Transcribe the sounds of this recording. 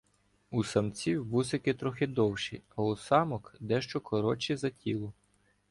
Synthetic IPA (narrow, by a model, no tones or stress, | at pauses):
usɐmt͡sʲiwʋusɪkɪt̪ɾɔxɪd̪ɔwʃḭɐɔsɑmɔkd̪ɛʃt͡ʃɔkɔɾɔt͡ʃizɐtʲilˠʊ